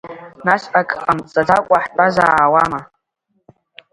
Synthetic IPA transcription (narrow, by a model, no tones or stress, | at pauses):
naʃʔakʼχamt͡sʼad͡zakʷʼaħt͡pʷʼazaːwama